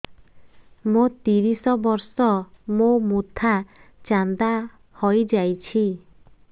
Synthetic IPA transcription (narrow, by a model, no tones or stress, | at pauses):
mot̪iɾisɔbɔɾsɔmomut̪ʰat͡ʃand̪a | hɔjd͡ʒajt͡ʃʰi